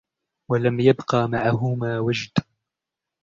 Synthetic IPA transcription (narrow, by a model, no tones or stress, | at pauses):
walamjabqɑːmaʕaɦʊmaːwad͡ʒd̪